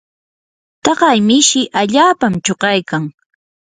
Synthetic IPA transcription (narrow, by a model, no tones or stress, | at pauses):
t̪ɑɢɑjmɪʃɪʔaʎaːpamt͡ʃoɢɑjkaŋ